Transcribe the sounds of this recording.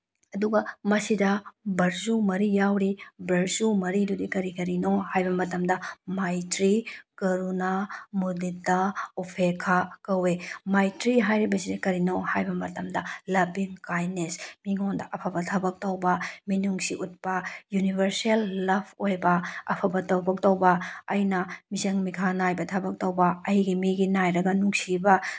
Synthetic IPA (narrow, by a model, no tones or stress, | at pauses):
ɐduɡɐmɐsidɐbɐɾzumɐɾijawɾibɾɐɾzumɐɾidudikɐɾikɐɾinohajbɐmɐtɐmdɐmajtɾikɐɾunamuditːɐupʰekʰakɐwemajtɾiɦajɾibɐsidɐkɐɾinohajbɐmɐtɐmdɐlɐbiŋkajnesmiŋondɐ̰ʔɐpʰabɐtʰɐbɐk̚towbɐminuŋsiʔut̚pɐjunibʱɐɾselːɐbʱojbɐɐ̰pʰɐbɐtɐwbɐk̚towbɐɐjnɐmizɐŋmikʰanajbɐtʰɐbɐk̚tɐwbɐɐjɡimiɡinajɾɐɡɐnuŋsibɐ